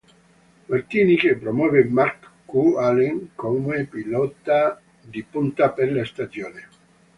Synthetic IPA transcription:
maɾt̪inikepɾomwɔvemaɾkkːualeŋkomuepilɔt̪a | d̪ipunt̪apeɾlast̪ad̪joːne

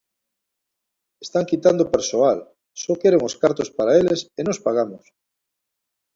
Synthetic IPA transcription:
est̪aŋkit̪and̪opeɾsoal | sokeɾeŋoskaɾt̪ospaɾaelesenospaɣamos

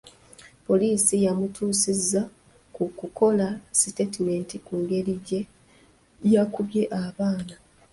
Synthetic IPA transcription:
po̞liːsijamutʰuːsizːa | kukuko̞lasitetime̞ntikuŋɡe̞ɾiɟe̞ | jakuβje̞ʔaβaːna

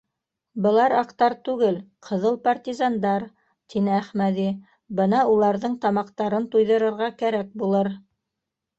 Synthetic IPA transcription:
bɤ̆lˠɑɾɑqt̪ɑɾt̪ʉɡɘlqʰɤ̆ðɤlˠpart̪ʲizɑnd̪ɑɾ | t̪inɘæχmæði | bɤnɑulˠɑɾðɤɴt̪ɑmɑqt̪ɑɾɤnt̪ujðɤ̆ɾɤ̆ɾʁɑkæɾæk̚bulˠɤɾ

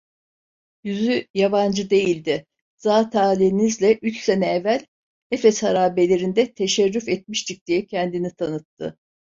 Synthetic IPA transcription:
jyzyjaband͡ʒɯd̪e̞jilʲd̪ɪ | z̥aːt̪ʰaːlʲiinizlʲɛʔyt͡ʃsenɛːvælʲ | efɛshaɾaːbe̞lʲe̞ɾind̪ɛt̪ʰe̞ʃɛɾːyfɛt̪̚miʃt̪ʰic̚d̪̥ijɛcʰɛnd̪init̪ʰanɯt̪ʰːɯ̰

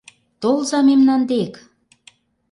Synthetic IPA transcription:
t̪olzɑmemnɑnd̪ek

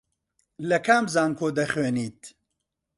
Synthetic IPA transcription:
lɐkʰaːmzaːŋkʰoːd̪ɐχweːniːt̪̚

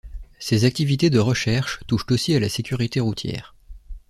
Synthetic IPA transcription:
sezak̚t̪ivit̪ed̪əʁəʃɛʁʃt̪uʃt̪osialasekʲyʁit̪eʁut̪ʰjɛ̰ːʁ

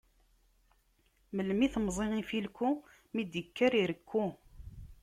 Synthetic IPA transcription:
məlmiθmzˤenifilkːu | mid̪jəkːaɾiɾəkʰːu

